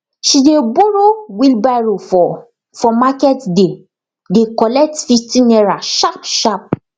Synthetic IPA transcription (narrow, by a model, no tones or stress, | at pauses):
ʃideboɾowilbaɾofɔ | fɔmakɛtde | dekɔlɛk̚tfitinɛɾaʃapʃap̚